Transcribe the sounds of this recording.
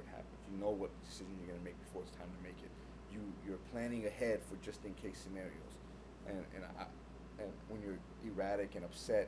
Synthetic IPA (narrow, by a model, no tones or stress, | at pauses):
t̚hæ̰pnfjɨnoʊwʌt̪̚ðədɨsɪʒɨ̃n̩jə˞ɡʌnɨmeɪk̚b̥ɨfɔɹɨtstʰãɪ̃mtʰɨmeɪkɨt̚ | jɨjə˞pʰl̥æ̃ñɪ̃ŋɨhɛd̥fə˞d͡ʒʌstɨ̃nkʰeɪsɨnɛɹḭo̰l̩ˠz̥ | ʔɨ̃nɨ̰̃n | ɨ̃nwə̃njə˞ | ʔiɹæɾɨkɨ̃ñʌpsɛt̚